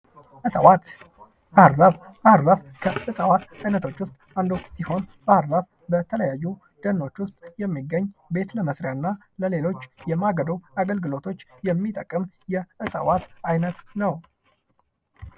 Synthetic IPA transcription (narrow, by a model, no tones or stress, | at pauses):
ʔɨsʼwa | bahɾzaf | bahaɾzafkʰəɨsʼəwat̪ajnət̪ʰo̞t͡ʃːwʊst̪ʼand̪osiho̞nbahɾzaf | bət̪ʰələjajːu | d̪̥ənːo̞t͡ʃːwʊst̪ʼjɛmːiɡːəɲːbe̞t̪ləməsɾjanːa | ləle̞lo̞t͡ʃːjɛmaɡəd̪owaɡəlɡɨlo̞t̪ʰo̞t͡ʃːjɛmːit̪ʼəkʼːɨm | jɛʔɨsʼə̰wat̪ajnət̪nəw